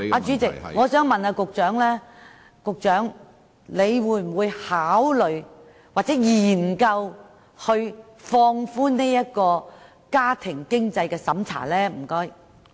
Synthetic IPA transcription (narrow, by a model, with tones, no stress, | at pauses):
aː˧t͡ʃyː˨˥t͡sɪ˨kŋɔː˨˧sœː˨˥ŋmɐ˨naː˧kʊ˨k̚t͡ʃœː˨˥ŋlɛː˥ | kʊ˨k̚t͡ʃœː˨˥ŋ | le˨˧jwuː˨˧˥jm̩˨˩wuː˨˧jhaː˨˥wlɵ˨ɥ | waː˨t̚t͡sɛː˨˥jiː˨˩nkɐ˧w | hɵ˧ɥ | fɔː˧ŋfuː˥ne˥jɐ˥t̚kɔː˧ | kaː˥t̪ʰɪ˨˩ŋkɪ˥ŋt͡sɐ˧jkɛː˧sɐ˨˥mt͡sʰa̰ː˨˩lɛː˥m̩˨˩kɔː˥j